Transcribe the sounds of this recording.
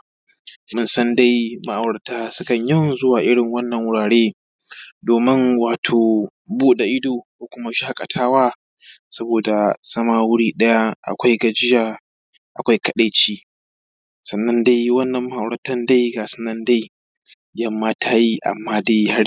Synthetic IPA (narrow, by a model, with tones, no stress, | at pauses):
mʊ˦nsɐ˦nda˦jma˦ʔa˨wɽɐ˨taː˦sʊ˦kɐ˨ɲjɐ˦wzʊ˦waː˨ʔɪ˦ɽɪ˨ŋwɐ˦nːɐ˨ŋwʊ˦ɽaː˨ɽeː˦ | doː˨mɪ˦ŋwaː˨tʰoː˨ | buː˦da˨ʔɪ˦doː˨kʷoː˨kʷʊ˦ma˦ʃaː˦kʼɐ˨tʰaː˦waː˦ | sɐ˦boː˨da˨sɐ˦maː˦wʊ˦ɽiː˦ɗɐ˦ja˦ʔa̰˨kʷa˦jɡɐ˨d͡ʒɪ˦jaː˨ | ʔa˨kʷa˦jkɐ˦ɗa˨t͡ʃiː˦ | sɐ˨nːɐ˦nda˦jwɐ˦nːɐ˨mmːa˦ʔa˨ɽɾɐ˨tɐ˦nda˦jɡaː˨sɪ̥˦nɐ˦nda˦j | jɐ˦mːaː˦tʰaː˦ji˦ʔa̰˨mːaː˦da˦jha˦ɽ